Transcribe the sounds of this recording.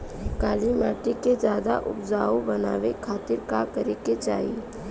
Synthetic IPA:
kaːlimaːʈiked͡ʒjaːd̪a̰ʔʊ̰pd͡ʒaːobəna̰ːʋekʰaːt̪ɪɾkakəɾeket͡ʃa̰ːi

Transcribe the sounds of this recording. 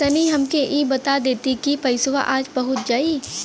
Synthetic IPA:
ɐniɦɐmkeʔiːbɐt̪ad̪eːt̪ikipɐɪsʋa̰ʔaːd͡ʒbɐɦʊt̪̚d͡ʒaːi

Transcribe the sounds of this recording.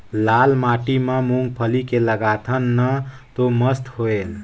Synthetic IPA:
lalmaʈimemuŋɡ̚pʰəlikeləɡat̪ʰənːə | t̪oməst̪hoel

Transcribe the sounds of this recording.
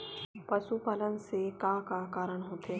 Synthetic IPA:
pɐʃupaːlənsekakakaːɾəɽ̃ɦoːt̪ʰe

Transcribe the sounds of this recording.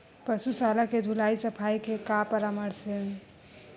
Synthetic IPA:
pəsusalaked̪ʱulaisəpʰajkekapəɾaməɾsən

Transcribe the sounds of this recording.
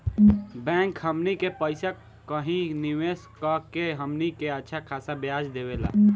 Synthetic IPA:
bɛ̃ŋkhɦəmnikepəɪsa | kəɦĩniʋeskəkeɦəmnikeətːʃʰakʰasabjad͡ʒd̪ebela̰ː

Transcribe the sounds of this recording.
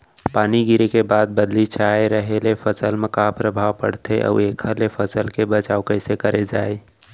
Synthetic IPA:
paːniɡɪɾekebaːd̪̚bəd̪lit͡ʃʰaeɾəɦelefʰəsəlmekaːpɾəbʱawpə̰ɽt̪ʰeʔə̰ːeːkʰəlefʰəsəlkebət͡ʃaːokəɪsekəɾed͡ʒaːe

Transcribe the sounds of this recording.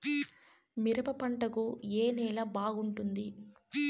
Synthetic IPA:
miɾɐpɐpɐɳʈɐkueːnɛːlaːbaːɡuɳʈund̪i

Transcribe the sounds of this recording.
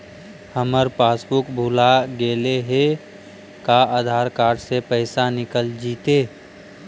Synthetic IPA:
həməɾpaːsbʊkbʱuːlaɡeːleɦe | kaaːd̪ʱaːɾkaːɾɖsepəɪsanɪkəld͡ʒiːt̪eː

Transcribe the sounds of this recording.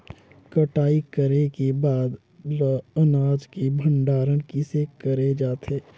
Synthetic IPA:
kəʈaːikəɾekebaːd̪ | lɐnaːd͡ʒkebʱə̃ɳɖaːɾənkisekəɾed͡ʒaːt̪ɦeː

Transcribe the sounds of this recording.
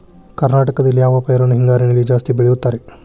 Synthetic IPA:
kɐɾnaːʈɐkɐd̪ɐlːijaːʋɐpɐjɐɾɐnɐɦiŋɡaːɾinɐlːid͡ʒaːst̪ibeɭejut̪ːaːɾe

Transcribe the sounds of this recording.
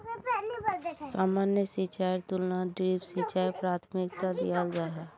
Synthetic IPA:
saːmaːnjəsit͡ʃaɾt̪ʊlnaɖɾiːpsit͡ʃaːjpɾaːt̪ʰmɪk̚t̪ad̪ḭjald͡ʒaːɦa

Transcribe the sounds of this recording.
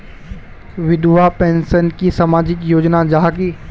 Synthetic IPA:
ʋɪd̪ʱuapẽːnsənkisamaːd͡ʑɪkjoːd͡ʑnad͡ʑaɦki

